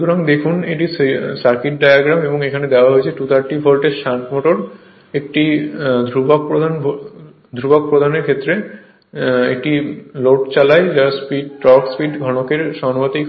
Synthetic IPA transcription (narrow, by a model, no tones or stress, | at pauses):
ʃuoɾaŋd̪ekʰuneʈisaɾkiʈ̚ɖajaɡɾameboŋekʰaned̪eoaɦoet͡ɕʰeʈut̪aɾʈifʰolʈeɾʃãʈmoʈoɾ | ek̚ʈid̪ʱɾubakpɾod̪ʱan | d̪ʱɾubak̚pɾod̪ʱaneɾkʰet̪ːɾe | ḛk̚ʈiloʈt͡ɕalaed͡ʑaspiɖ̚ʈɔɾkspiɖɡʱɔñokeɾʃɔŋot̪ij